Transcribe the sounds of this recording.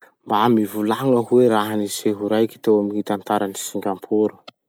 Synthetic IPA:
mbamivulaŋəɦueɾaɦaniseɦuɾajki̥t̪ewamiit̪ant̪aɾanisiŋɡʲampʰuɾu̥

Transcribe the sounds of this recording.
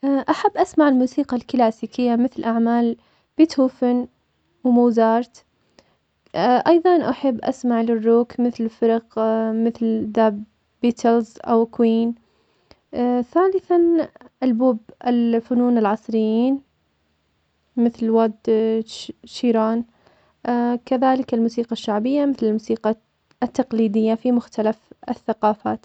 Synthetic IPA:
ʔaʔaħabːʔasmaʕɪlmuːsiːqɑlkɪlaːsiːkɪjːamɪθlʔaʕmaːl | b̥iːt̪huːfɪn | wmʊːzɑːɾˤt̪ | ʔɑjðˤɑnʔaħabːʔa̰smaʕlɪrːuːkmɪθlfɪɾˤɑqmɪθlðaːbː | iːt̪ʰɪlzʔa̰wkwiːn | θaːlɪθanʔalbuːbɪlfʊnuːnɪlʕɑsˤɾɪjːiːn | mɪθlwad̪ | ʃiːɾaːn | kaðaːlɪkɪlmuːsiːqɑʃːaʕbɪjːamɪθlɪlmuːsiːqɑ | t̪ːaqliːd̪ɪjːafimʊxt̪alafɪθːaqɑːfaːt̪

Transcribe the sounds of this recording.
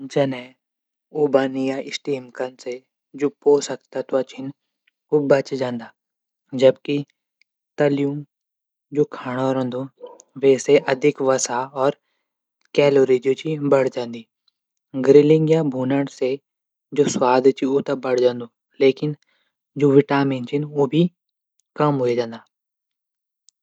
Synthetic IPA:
d͡ʒɐnɛ | uːbaːnijaʔɪsʈiːmkənse | d͡ʒoːpoːsɐkt̪at̪oat͡ʃʰɪn | obɐt͡ʃd͡ʒãːnd̪aː | d͡ʒɐbki | t̪ɐlijũ | d͡ʒoːkʰaːɽ̃aɾɦɐ̃nd̪õʋɛːseʔɐd̪ʱɪkʋɐsaɔːɾ | kɛːloːɾiːd͡ʒjõt͡ʃʰibɐɽ̤d͡ʒãːnd̪iː | ɡɾɪlɪ̃ŋɡjabʱuːnəɽse | d͡ʒoːswaːd̪ʱt͡ʃʰiot̪ɐbɐɽ̤d͡ʒãːnd̪oː | leːkɪn | d͡ʒoːʋɪʈaːmɪ̃nt͡ʃʰɪnobʱi | kɐmɦoed͡ʒãːnd̪aː

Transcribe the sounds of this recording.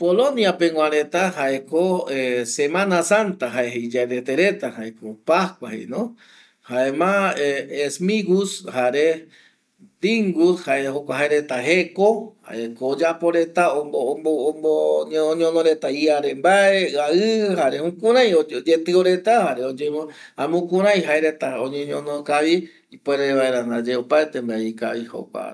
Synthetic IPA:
polõnjapeŋwãɾet̪ahaekoesemãnasant̪aɦaeɦejd͡ʒaeðet̪eɾet̪ahaekopaskʷahḛjnõ | haemãeːsmiɡushaɾe | d̪iŋɡushaehokʷaɦaeɾe̞t̪aɦekoha̰ekoːd͡ʒapo̞ɾet̪aobmbomboɲõnoɾe̞t̪aiaɾe̞mbaeaɨhaɾehũkũɾ̃ãj̃ood͡ʒet̪ɨoɾe̞t̪ahaɾeod͡ʒem | amũkũɾ̃ãj̃ɦaeɾet̪aõɲẽɲõnokaβi | ipoeɾeeβaeɾand̪ad͡ʒeopaet̪embaeika̰βiho̰kʷa̰

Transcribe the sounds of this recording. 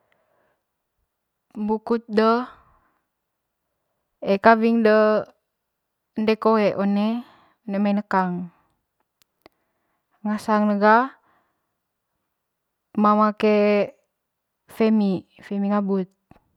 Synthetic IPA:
mbukut̪̚də | ekaviŋdə | ndɛkoɛʔone | onemainəkaŋ | ŋasaŋnəɡa | mamake | femifemiŋabut̪̚

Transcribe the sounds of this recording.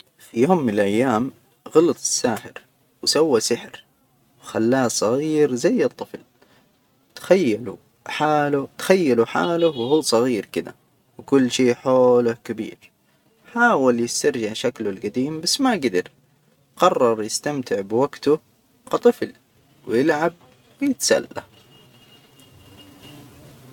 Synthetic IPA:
fijoːmːɪnɪlʔajːaːm | ɣɑlɑt̪ˤɨ̥sːaːħɪɾ | wɪsawːasɪħɾ | wxalːaːsˤɑɣiːɾzajːɨt̪ˤːɨfl | t̪xajːalu | ħaːlʊt̪ḁxajːaluħa̰ːlʊwhuːsˤɑɣiːɾkɪd̪a̰ | wkʊlːʃiːħoːlʊhkabḭːɾ | ħaːwaljɪst̪ɑɾˤʒaʕʃaklʊlɡad̪iːmbasːmaɡɪd̪ɪɾ | qɑrˤːɑɾˤjɪst̪amt̪ɪʕbwaɡt̪ʊ | kɑt̪ˤɨfl | wjɪlʕab̚ | wɪjɪt̪sa̰lːa̰h

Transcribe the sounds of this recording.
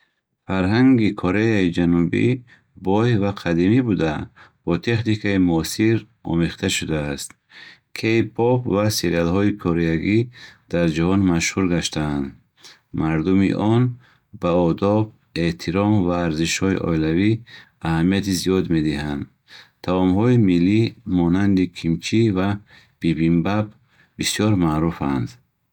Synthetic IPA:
faɾɦaŋɡikʰoɾeaid͡ʒanubḭ | bɔjvaqʰad̪imibud̪ab̥ɔt̪ʰe̞χnikaimuɔsiɾ | ɔ̰meχt̪ʰaʃud̪aːst̪ | kʰeipʰɔpvaseɾialhɔikʰɔɾeaɡid̪̥aɾd͡ʒahɔnmaʃhuɾɡaʃt̪ʰaːnd̪ | maɾd̪umḭʔɔn | baɔd̪ɔb̚ | e̞ht̪ʰiɾɔmvaːɾziʃhɔḭʔɔ̰ilavi | ahamijat̪izijɔd̪me̞d̪iɦand̪ | t̪ʰavɔmhɔimilːimɔnand̪ikʰimt͡ʃʰiva | b̥ibimbab | bisjɔɾmaɾufand̪

